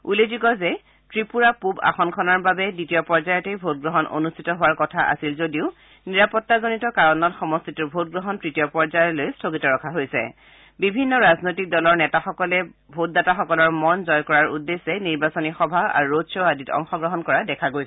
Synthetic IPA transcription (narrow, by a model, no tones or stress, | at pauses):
uleziɡɔzɛ | tɹipuɹapuba̰xɔnkʰɔnaɹbabɛditijɔpɔɹzajɔtejbʱot̚ɡɹɔɦɔnʔo̰nustʰitɔɦʊwaɹkɔtʰaʔa̰silzodiʊ | niɹapɔtːazonitɔkaɹɔnɔtxɔmɔstʰituɹbʱot̚ɡɹɔɦɔntɹitijɔpɔɹzajɔlojstʰoɡitɔɹɔkʰaɦojsɛ̰ | bibʱinːɔɹaznojtik̚dɔlɔɹnɛtaxɔkɔlɛ | bʱot̚dataxɔkɔlɔɹmɔnzɔjkɔɹaɹṵdːesːɛniɹbasonixɔbʱaa̰ɹuɹosʰɔaditɔ̰ŋxɔɡɹɔɦɔnkɔɹadɛkʰaɡoj